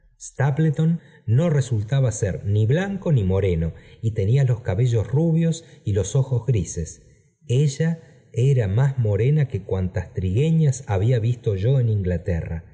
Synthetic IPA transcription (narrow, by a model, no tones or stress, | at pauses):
st̪aplet̪onː | o̞re̞sult̪aβasḛɾniβlaŋko̞nimo̞ɾeno̞it̪e̞nialo̞skaβe̞ʒo̞sruβjo̞silo̞so̞xo̞zɣɾise̞s | eʒa | eɾamazmo̞ɾenake̞kwant̪ast̪ɾiɣe̞ɲasaβiaβist̪o̞ʒo̞eniŋɡlat̪era̰